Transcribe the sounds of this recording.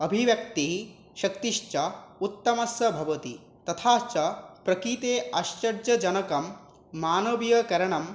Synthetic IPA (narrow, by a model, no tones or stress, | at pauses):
ɐbʱiʋjɐk̚t̪iɦ | ʃɐk̚t̪iʃt͡ʃɐut̪ːɐmɐsjɐbʱɐʋɐt̪i | t̪ɐt̪ʰaːt͡ʃɐpɾɐkit̪eːɐʃt͡ʃɐɾd͡ʒɐd͡ʒɐnɐkɐmː | aːnoʋjɐkɐɾɐɳ̃ɐm